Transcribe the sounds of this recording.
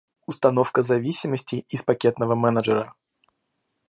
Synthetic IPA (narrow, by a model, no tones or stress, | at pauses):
ʊst̪ɐno̞fkəzɐvʲisʲɪməsʲtʲɪːspɐkʲe̞t̪nəvəmɛnəʐɨɾə